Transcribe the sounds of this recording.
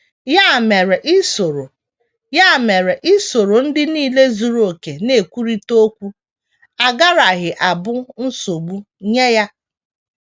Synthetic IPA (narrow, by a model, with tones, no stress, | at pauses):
ja˦˨me˨ɾe˨ʔɪ˦so˨ɾo˨ | ja˦˨me˨ɾe˨ʔɪ˦so˨ɾo˨n̩˦dɪ˦niː˦le˦zu˨ɾo˨ke˨ne˨kʷu˦ɾi˦to˦kʷu˦ | a˨ɡa˦ɾa˨ɦɪ˨ʔa˨bʊ˦n̩˦so˨ɡ͡bu˦ | ɲe˦ja˦